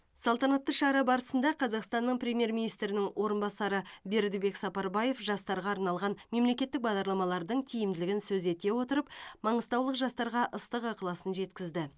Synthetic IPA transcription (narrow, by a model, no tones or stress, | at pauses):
sɑlˠt̪ɑnɑt̪ːəʃɑɾɑbɑɾəsənd̪ɑqʰɑzɑqst̪ɑnːəɴpɾʲe̞mʲje̞ɾmʲinijst̪ɾɪnɪŋwo̞ɾənbɑsɑɾəbe̞ɾd̪ɪbe̞ksɑpɑɾbɑje̞fʒɑst̪ɑɾʁɑːɾnɑlˠʁɑnme̞mle̞kʲe̞t̪ːɪk̚bɑʁd̪ɑɾlˠɑmɑlˠɑɾd̪əɴt̪ʰijɪmd̪ɪlɪɡʲɪnsɵze̞t̪e̞wo̞t̪əɾəpmɑɴəst̪ɑwlˠəqʒɑst̪ɑɾʁɑʔəst̪əqɑqəlˠɑsənʒe̞t̪kʲɪzd̪ɪ